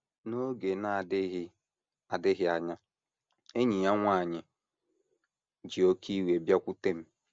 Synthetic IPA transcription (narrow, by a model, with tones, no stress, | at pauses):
no˦ɡe˨na˦˨dɪ˦ɦɪ˦ | a˨dɪ˦ɣɪ˦a˨ɲa˦ | e˦ɲi˨ja˦ŋʷa˦˨ɲɪ˨ | d͡ʒi˨o˦kʰi˦we˨bja˦kʷu˦te˦m̩˦